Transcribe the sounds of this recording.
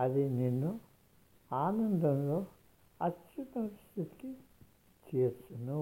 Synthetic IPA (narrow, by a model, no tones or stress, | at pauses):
ɐd̪ininːu | aːnɐnd̪ɐmlo̞ː | ɐt̪t͡ʃut̪ɐmst̪ʰit̪i̥ki | t͡ʃeːt͡ʃːunu